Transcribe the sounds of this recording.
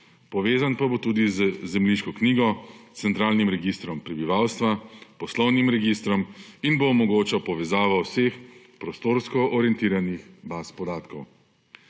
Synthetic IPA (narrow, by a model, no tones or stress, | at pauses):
pɔʋeːzanpabot̪uːd̪izzɛmliʃkɔkniːɡɔt̪sɛnt̪ɾaːlnimɾɛɡist̪ɾɔmpɾɛbiʋawst̪ʋapɔslɔwnimɾɛɡist̪ɾɔminboːmɔɡoːt͡ʃapɔʋɛzaːʋɔwsex | pɾɔst̪oːɾskɔʔɔɾiɛnt̪iːɾanixbaspɔd̪aːt̪kɔw